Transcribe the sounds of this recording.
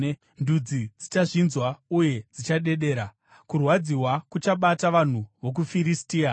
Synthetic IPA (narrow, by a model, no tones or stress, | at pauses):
ndud͡zid͡zit͡ʃaʐinzwauje̞d͡zit͡ʃaɗe̞ɗe̞ːɾa | kurwad͡ziwakut͡ʃaɓataʋan̤uʋo̞k̬ufiɾistiːa